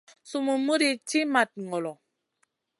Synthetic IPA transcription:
su˨mu˨mu˦ɾi˨ti˦ma˨t̚ŋɔ˨lɔ˨

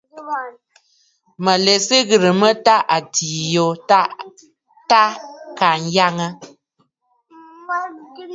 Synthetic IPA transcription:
mə˨le˨sɨ˦ɣɨ˨ɾɨ˨mə˦ta˦ʔa˨tʰi˨jo˨˦ | ta˦ka˨n̩˦ja˦ŋə˦

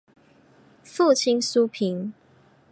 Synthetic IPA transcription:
fu˥˨t͡ɕʰi˦nsu˦pʰi˨˦n

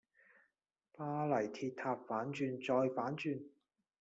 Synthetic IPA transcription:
paː˧lɐ˨˩jt̪ʰiː˧t̪̚ʰːaː˧p̚faː˨˥nt͡ʃyː˧nt͡sɔː˧jfaː˨˥nt͡ʃyː˧n

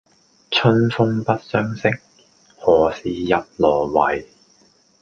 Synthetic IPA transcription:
t͡sʰɵ˥nfʊ˥ŋpɐ˥t̚sœː˥ŋsɪ˥k̚ | hɔː˨˩siː˨˧jɐ˨t̚lɔː˨˩wɐ˨˩j

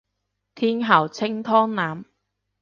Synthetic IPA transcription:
t̪ʰiː˥nɦɐ˨˩wt͡sʰɪ˥ŋt̪ʰɔː˥ŋnaː˨˥m

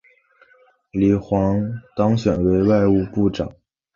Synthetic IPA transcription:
li˨˩xwɑ˧˥ŋt̪ɑ˥ŋɕɥɛ˨˩nwe˧˥ɪwa˥˧ɪu˥˧pu˥˩ʈ͡ʂɑ̰˨˩˦ŋ

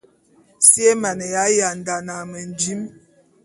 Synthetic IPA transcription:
si˦e˦ma˨nə˨ja˨˦ja˨n˨da˨na˨mə˨n˨d͡ʒi˦m

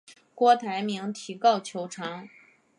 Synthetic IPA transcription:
kwɔ˥t̪ʰa˧˥ɪmi˧˥ŋt̪ʰi˧˥kɑ˥˩ʊt͡ɕʰjo˧˥ʊʈ͡ʂʰɑ˧˥ŋ

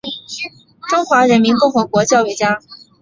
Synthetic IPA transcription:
ʈ͡ʂʊ˥ŋxwa˧˥ɻə˧˥nmi˧˥nkʊ˥˩ŋxɤ˧˥kwɔ˧˥t͡ɕjɑ˥˧ʊwe˥˩t͡ɕja˥

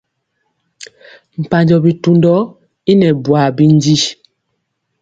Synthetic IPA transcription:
m̩˨pa˨ɲd͡ʒɔ˨bi˨tu˨ndɔ˦ | i˦nɛ˨bwa˨bi˦n˦d͡ʒi˦

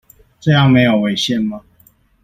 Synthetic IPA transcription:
ʈ͡ʂɤ˥˧jɑ˥˨ŋme˧˦ɪjo˨˩ʊwe˧˦ɪɕjɛ˥˨nma˨

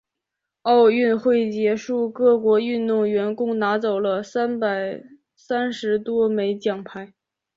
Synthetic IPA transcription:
ɑ˥˧ʊy˥˧nxwe˥˩ɪt͡ɕjɛ˧˥ʂu˥˧kɤ˥˩kwɔ˧˥y˥˧nt̪ʊ˥˩ŋɥɛ˧˥nkʊ˥˩ŋna˧˥t͡so˨˩ʊlə˦sa˥npa˨˩ɪ | sa˥nʂɻ̩˧˥t̪wɔ˥me˧˥ɪt͡ɕjɑ˨˩ŋpʰa˧˥ɪ

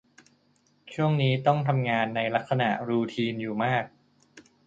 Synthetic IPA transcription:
t͡ɕʰu˥˩əŋniː˦˥t̪ɔ˥˩ŋt̪ʰa˧mŋaː˧nːa˧jla˦˥k̚sa˧na˨˩ʔɾuː˧t̪ʰiː˧njuː˨˩maː˥˩k̚

